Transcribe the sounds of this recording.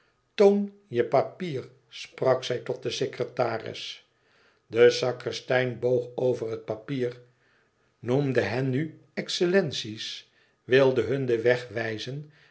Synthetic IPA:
town | jəpapiːr | sprɑksɛjtɔt̚dəsekrətaːrɪ̰s | dəsɑkrəstɛjnbowχowvərɦət̚papiːɹ | numdəɦɛnːy | ɛksəlɛnsis | ʋɪlˠdəɦɵndəʋɛχʋɛjzən

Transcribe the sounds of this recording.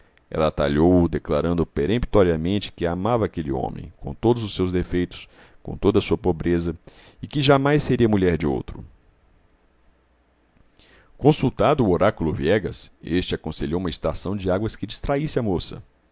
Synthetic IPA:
ɛ̰lɐːt̪a̰ʎowd̪eklaɾɐ̃nd̪ʊpeɾepit̪ɔɾiɐmẽnt͡ʃɪ̥kɪamavɐaːkelɪõ̰mḛ̃j̃kõ̰t̪od̪ʊzʊsːewzd̪efejt̪ʊ̥s | kõt̪od̪ɐsuɐpobɾezɐ | ɪkɪʒamajsːeɾiɐmuʎɛɾd͡ʒɪo̰wt̪ɾʊ | kõsut̪ad̪ʊːoɾakulʊviɛɡɐsest͡ʃɪakõseʎowũmɐɪst̪asɐ̃w̃d͡ʒɪaɡwɐskɪd͡ʒist̪ɾaisɪɐmosɐ̰

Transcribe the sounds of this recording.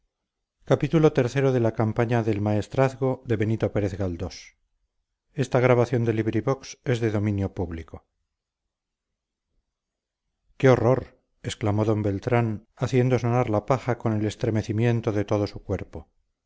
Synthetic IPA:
kapit̪ulo̞t̪e̞ɾθe̞ɾo̞ðe̞lakampaɲaðe̞lmaest̪ɾaθɣo̞ðe̞βe̞nit̪o̞pe̞ɾeθɣald̪o̞s | e̞st̪aɣɾaβaθjo̞nd̪e̞liβɾiβo̞kse̞zðe̞ðo̞mĩnjo̞puβliko̞ | keo̞ro̞ɾ | esklamo̞ðo̞mbe̞lt̪ɾanaθje̞nd̪o̞sonaɾlapaxako̞ne̞le̞st̪ɾe̞me̞θimje̞nt̪o̞ðe̞t̪o̞ð̞o̞sukwe̞ɾpo̞

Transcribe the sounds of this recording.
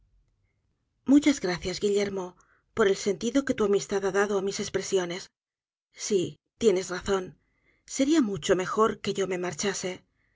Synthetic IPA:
mut͡ʃazɣɾaθjazɣiʎe̞ɾmo̞ | po̞ɾe̞lse̞nt̪iðo̞ke̞t̪uamist̪aðaðaðoamise̞spɾe̞sjo̞ne̞sː | i | t̪je̞ne̞zraθo̞n | se̞ɾiamut͡ʃo̞me̞xo̞ɾke̞ʝo̞me̞maɾt͡ʃase̞

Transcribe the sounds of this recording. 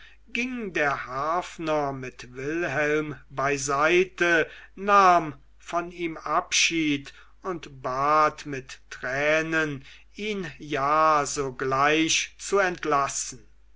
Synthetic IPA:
ɡɪŋdeːɐhaːfnɐmɪtvɪlhɛlmbaɪzaɪtənaːm | fɔniːmʔapʃiːt | ʊntbaːtmɪtːʁɛːnən | iːnjaːzoːɡlaɪʃt͡suɛntlasn̩

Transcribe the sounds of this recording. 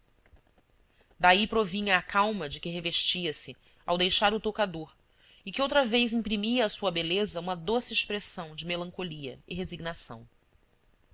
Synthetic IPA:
d̪aipɾovĩɲɐːkʰawmɐd͡ʒɪkɪɦeveʃt͡ʃiɐsɪ | a̰wd̪ejʃaɾʊt̪okad̪oɾ | ɪkɪowt̪ɾɐvejzĩpɾimiɐːsuɐbelezɐũmɐd̪osɪeʃpɾesɐ̃w̃d͡ʒɪmelɐ̃ŋkoliɐ̰iɦeziɡnasɐ̰̃w̃

